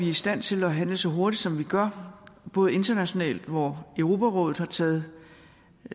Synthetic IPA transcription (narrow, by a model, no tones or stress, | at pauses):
ʋiisd̥æn̰t͡sʰe̝læɦænləsɒ̽ɦo̝ɐd̥id̥sɒ̽mʋiɡ̥ɶɐ̰b̥ɔ̽ːð̩ˠe̝nd̥ɐnæɕo̝nɛ̰ːld̥ʋɒøʊʁo̝ːpʰæʁɔ̰̽ːð̩ˠhɑ̈t͡sʰɛːð̩ˠ